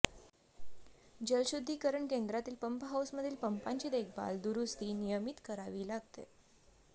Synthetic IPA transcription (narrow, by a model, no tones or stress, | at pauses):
d͡ʑəlɕud̪ʱːiːkəɾəɳkend̪ɾat̪iːlpəmpɦawsməd̪ʱiːlpəmpaɲt͡ɕiːd̪ekʰba̰ld̪uɾust̪iːnijəmit̪kəɾaʋiːlaɡ̚t̪ḛ